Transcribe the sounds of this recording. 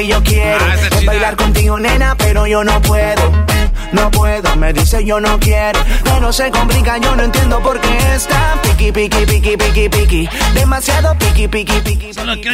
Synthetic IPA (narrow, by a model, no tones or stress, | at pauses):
eʝo̞kjeɾoebajlaɾko̞nt̪iɣone̞nape̞ɾo̞ʝo̞no̞pweðo | no̞pwe̞ðome̞ðise̞ʝo̞no̞kjeɾokenose̞komplikaʝo̞noent̪je̞nd̪o̞po̞ɾkest̪apikipikipikipikipikid̪e̞masjaðo̞pikipikipiki